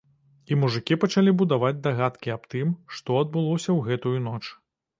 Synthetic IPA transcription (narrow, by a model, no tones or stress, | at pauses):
imuʐɨkʲipɐt͡ʂalʲibud̪avad͡zʲd̪aɣat̪kʲiapt̪ɨmʂt̪ɔɐd̪̚bɨlˠɔsʲɐwɣɛt̪ujunɔt͡ʂ